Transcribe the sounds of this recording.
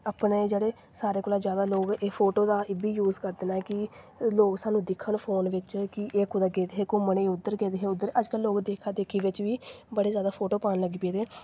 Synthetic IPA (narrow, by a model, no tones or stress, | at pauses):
aːpneed͡ʒeːɽeː | saːɾeːkoːlãːzjaːd̪aːloːɡeːpʰoːʈoːd̪aːɪbiːjuːzkəɾd̪eːnaːkɪ | loːɡsaːnũːd̪ɪkʰːəɳpʰoːnʋɪt͡ʃkɪʔeːkʊd̪aːɡeːd̪eːɦeːkoːməneːʊd̪ːəɾɡeːd̪eːɦeːʊd̪ːəɾəd͡ʒkəlːoːɡd̪eːkʰad̪eːkʰiːʋɪt͡ʃʋiːbəɽeːzjaːd̪aːpʰoːʈoːpaːnləɡiːpeːd̪eː